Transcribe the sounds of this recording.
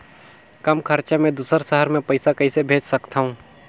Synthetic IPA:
kɐmkʰɐɾt͡ʃamẽd̪uːsəɾʃəɦəɾmẽpɐɪsakɐisebʱeːd͡ʒsɐkt̪aɦũː

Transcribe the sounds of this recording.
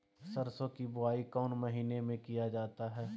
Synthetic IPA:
sɐɾsõkibʊaːikɔːnmɐɦiːnemẽkijad͡ʒaːt̪aɦɛː

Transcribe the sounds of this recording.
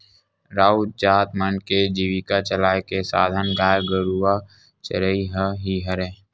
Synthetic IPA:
ɾaːut͡ʃaːt̪mənked͡ʒiːʋikat͡ʃəlaːekesaːd̪ʱənɡaːjɡəɾua | t͡ʃəɾəiɦəɦiɦəɾẽː

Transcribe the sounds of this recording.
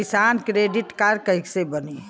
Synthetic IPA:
ɪsaːnkɾeːɖiʈkaɾkəɦɪksebəni

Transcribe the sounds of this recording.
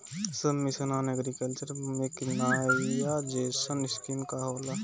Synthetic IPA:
səmmisɐnaːnɛɡɾikəlt͡ʃəɾmekinajad͡ʒeːsɐniskimkaɦoːla

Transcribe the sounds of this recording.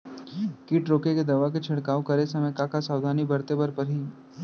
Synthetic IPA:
kiːʈɾoːkeked̪ɐʋak̬et͡ʃʰɪɽkaːokɐɾesɐməkakasaːwd̪ʱaːnibɐɾt̪ebɐɾpɐɾɦiː

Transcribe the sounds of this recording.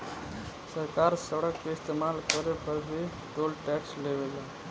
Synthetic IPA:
səɾkaɾsəɽəkːeɪst̪emalkəɾepəɾbʱi | t̪olʈɛksleʋela

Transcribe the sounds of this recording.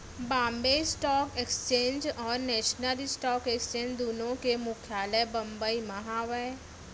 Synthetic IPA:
bãːmbesʈɔːkekst͡ʃẽːɲd͡ʒɔːɾnɛːʃnəlisʈɔːkekst͡ʃẽːɲd͡ʒd̪oːnõkemʊkʰjaːləbɐ̃mbəimaɦaːwɛ

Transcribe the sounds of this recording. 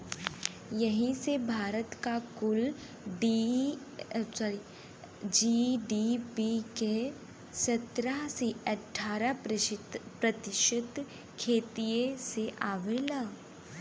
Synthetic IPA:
jɐɦĩsebʱaːɾət̪kakʊl | ɖi | sɾi | d͡ʒiɖipike | sɐt̪ɾaɦsiɐʈʰːaːɾa | pɾɐt̪ɪʃət̪ | kʰeːt̪ijeseʔaːʋeːlaː

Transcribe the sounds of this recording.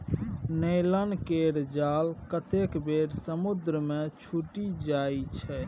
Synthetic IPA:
nəjlənkeɾd͡ʒalkət̪ekbeɾsəmud̪ɾəmet͡ʃʰuʈid͡ʒajt͡ʃʰɛ

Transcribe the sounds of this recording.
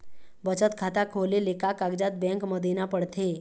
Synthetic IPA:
bət͡ʃət̪kʰat̪akʰolelekakaɡd͡ʒat̪̚bɛ̃ŋkməd̪ʱinapəɽt̪ʰe

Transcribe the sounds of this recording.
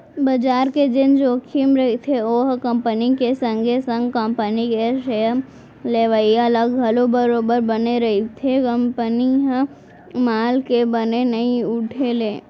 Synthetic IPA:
bɐd͡ʒaːɾked͡ʒ̪ɪnd͡ʒoːkʰimɾɐɦit̪ʰeoːɦkə̃mpənikesə̃ŋɡʱesə̃ŋɡkə̃mpənikeʃejəm | leːʋəiɐləɡɦɐlobəɾoːbəɾbɐneɾɐit̪ʰekəmpəniɦ | maːlkebənenɐĩʊʈʰeleː

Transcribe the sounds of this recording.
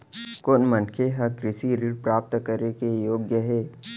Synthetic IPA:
koːnmənkʰeɦɐkɾɪsiɾiɽpɾaːp̚t̪kəɾekejoːɡjəɦɛː

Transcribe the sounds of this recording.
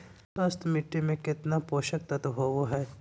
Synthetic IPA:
pɐst̪mɪʈːimẽkɪt̪napoːʃək̚t̪ɐt̪ɦoːɡoɦɛː

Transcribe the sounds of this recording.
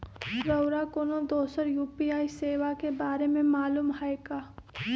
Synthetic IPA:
ɾəʊɾakoːnod̪oːsəɾjuːpiaːiseːʋakebaːɾemẽmaːluːmɦaeɡaː

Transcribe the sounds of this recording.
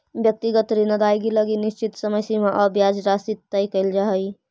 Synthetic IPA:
bjək̚t̪iɡət̪ɾinəd̪ajɡiləɡiniʃt͡ʃit̪səməsimaʔəbjad͡ʒɾasit̪ːəjkəɪld͡ʒaɦəj

